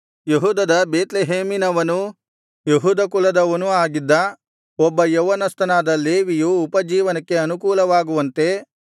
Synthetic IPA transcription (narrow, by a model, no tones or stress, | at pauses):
jeɦuːd̪ɐd̪ɐbeːt̪leɦeːminɐʋɐnu | jeɦuːd̪ɐkulɐd̪ɐʋɐnuaːɡid̪ːɐ | ɔbːɐjɔʋɐnɐst̪ɐnaːd̪ɐleːʋijuːpɐd͡ʒiːʋɐnɐkːe̞ɐnukuːlɐʋaːɡuʋɐnt̪e̞